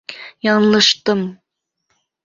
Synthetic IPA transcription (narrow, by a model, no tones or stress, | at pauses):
jɑɴlˠɤʃt̪ɤm